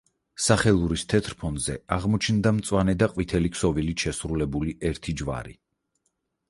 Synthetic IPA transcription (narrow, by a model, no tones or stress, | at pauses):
saχɛlˠuɾist̪ʰɛt̪ʰɾpʰɔnzɛ̰aʁmɔt͡ʃʰnd̪amt̪sʼwanɛd̪aqʼwit̪ʰɛlikʰsɔvilit̪ʃɛsɾulɛbuliʔɛɾt̪ʰid͡ʒva̰ɾḭ